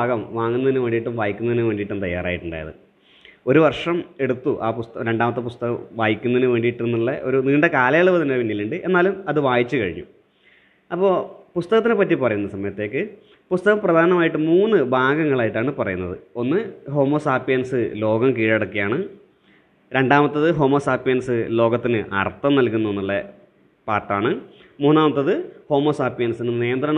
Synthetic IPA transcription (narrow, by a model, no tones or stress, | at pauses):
baːɡɐmʋaːŋːunːɐðinɨʋe̞ːɳɖiʈːumʋaːjikʲːunːɐðinɨʋe̞ːɳɖiʈːunɨt̪ɐjːa̰ːra̰ːjiʈːuɳɖa̰jɐ̰ðɨ̰ | o̞ɾuʋɐrʂɐme̞ɽut̪ːuʔaːpust̪ɐɾe̞ɳɖaːmɐt̪ːɨpust̪ɐɣɐʋaːjikʲːunːɐðinɨʋe̞ːɳɖiʈːunːiɭːɐ̰ʔo̞ɾuniːɳɖekaːlɐjaɭːɐʋɐt̪inːeʋinːiluɳɖɨʔe̞nːaːlumɐðɨʋaːjit͡ɕːɨkɐɻḭɲːṵ | ɐpːo̞ːpust̪ɐɣɐt̪̬ːinɨpːɐtːipɐrɐjunːɐsɐmɐjɐt̪ːe̞ːkːɨ | pust̪ɐɣɐmprɐd̪ʱaːnɐmaːjiʈːɨmuːnːɨbʱaːɡɐŋːɐɭaːjiʈːaːɳɨpɐrɐ̰junːɐ̰ðɨ̰o̞nːɨɦo̞ːmoːsaːpijɐnsɨlo̞ːɡɐmkiːɻeɽɐkːijaːɳɨ | ɾe̞ɳɖaːmɐt̪ːɐðɨɦo̞ːmoːsaːpijɐnsɨlo̞ːɡɐt̪ːinɨʔɐ̰rt̪ːɐmnɐlkunːuenːuɭːɐ | paːrʈːaːɳɨ | muːnːaːmɐt̪ːɐðɨho̞ːmoːsaːpijɐnsinɨneːɐnd̪rɐɳɐ